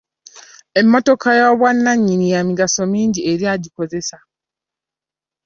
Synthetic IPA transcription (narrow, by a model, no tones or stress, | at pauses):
e̞mːo̞to̞kʰajaβwanːaɲːinijamiɡaso̞miːɲɟieɾiaːɟiko̞ze̞sa